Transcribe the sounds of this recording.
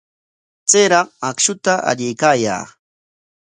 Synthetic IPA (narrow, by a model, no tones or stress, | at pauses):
t͡seɾɑqakʃʊt̪aʔa̰ʎɪjkaːja̰ː